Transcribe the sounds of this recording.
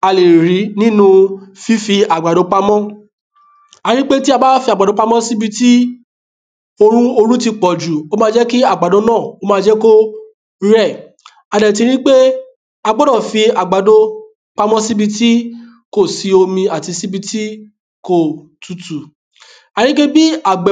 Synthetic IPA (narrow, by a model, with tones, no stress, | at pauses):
a˧le˨ɾi˨˦nĩ˦nũ˧fi˦fi˧a˨ɡ͡ba˨do˨˧k͡pa˧mɔ̃˦ | a˨˧ɾ̃ĩ˦k͡pe˦ti˦a˧ba˦fi˧a˨ɡ͡ba˨do˧˦k͡pa˦mɔ̃˦si˦bi˧ti˦ | o˧ɾ̃ũ˦o˧ɾu˦ti˧k͡pɔ˨d͡ʒu˨o˦mã˦d͡ʒɛ˦ki˦a˦˨ɡ͡ba˨do˧˦nãː˦˨o˦mãː˦˧˦d͡ʒɛ˦ko˦ | ɾɛ˦˨ | a˨dɛ˨t̬i˧ɾ̃ĩ˦k͡pe˦ | a˧ɡ͡bɔ˦dɔ̃˦˨fi˧a˨ɡ͡ba˨do˧ | k͡pa˧mɔ̃˦si˦bi˧ti˦ | ko˦˨si˧o˧mĩ˧a˨ti˧si˦bi˧ti˦ | ko˦˨ | tu˨tu˨ | a˨˧ɾ̃ĩ˦ke˦bi˦a˨ɡ͡b